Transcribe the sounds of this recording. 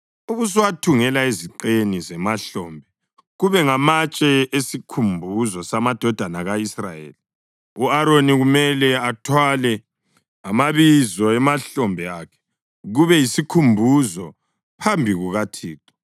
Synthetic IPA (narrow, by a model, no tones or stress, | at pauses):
uɣus̬iwatʰuŋɛlaeziǃenizɛmaɬɔːmbʱɛ | ɣuβɛŋamat͡ʃʼɛesikʰumbʱuzɔsamad̥ʱɔd̥ʱanaɣaisra̰jḛːli | uaɾoniɣumɛlɛatʰwalɛ | amaβizɔɛmaɬɔmbʱɛakʰɛ̥ | ɣuβɛjisikʰumbʱuzɔ | pʰambʱiɣuɣatʰiːtʼɔ̥